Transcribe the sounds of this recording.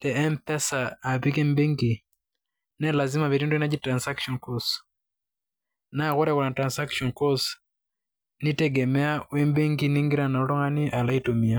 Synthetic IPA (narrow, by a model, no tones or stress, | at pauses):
tɛɛmpɛsaːpikɛmbiŋɡi | nɛlazimaβiɾinduinad͡ʒitɾansakʃɔnkɔst | naɣuɾɛɣunatɾansakʃɔnkɔs | nitɛɡɛmɛawɛmbiŋɡiniŋɡiɾanalɔŋaniʔalaitumia